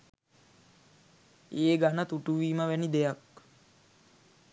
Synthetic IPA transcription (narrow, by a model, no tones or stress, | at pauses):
eːɡanət̪uʈuʋiːməʋænid̪ejak